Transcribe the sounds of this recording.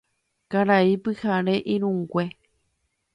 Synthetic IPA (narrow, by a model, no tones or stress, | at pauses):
kaɾaipɨhaɾe̞ʔĩɾũŋɡʷe̞